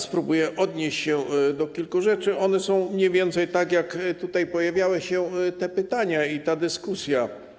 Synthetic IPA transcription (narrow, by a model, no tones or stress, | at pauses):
spɾubujɛʔɔd̪ɲeɕt͡ɕɕɛd̪ɔkʲilkuʐɛt͡ʂɘʔɔnɛsɔ̃w̃mɲɛvʲjɛnt̪sɛjt̪aɡjakt̪ut̪ajpɔjavʲjawɘɕɛt̪ɛpɘt̪aɲait̪ad̪ɘskusʲja